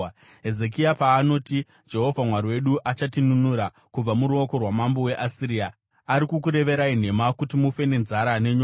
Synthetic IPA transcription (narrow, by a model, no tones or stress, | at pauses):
ɦe̞ze̞k̬iapaːno̞ːti | d͡ʒe̞ɦo̞vʱamwariwe̞ɗuʔat͡ʃatinunuɾa | kub͡vamuɾuo̞ko̞rwamambo̞we̞ʔasiɾia | aɾikukuɾe̞ʋe̞ɾain̤e̞makutimufe̞ne̞nzaɾane̞ɲoː